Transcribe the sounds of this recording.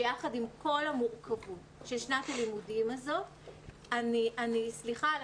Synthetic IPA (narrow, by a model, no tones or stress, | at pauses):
jaχadimko̞lamuʁkʰavutʃelʃnatalimudimazo̞t | aniʔanisliχa